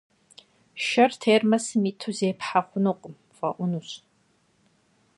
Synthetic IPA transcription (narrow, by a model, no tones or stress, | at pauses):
ʃɐrtʰeːrmɐsɨmiːtʰuzeːpħaχʷʊnoqʷʼʊm | fɐʔʷʊnuɕ